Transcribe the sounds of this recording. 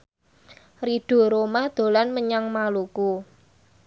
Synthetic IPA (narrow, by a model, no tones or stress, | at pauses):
riɖ̥o̤ɾomad̪̥o̤lanməɲaŋmaluku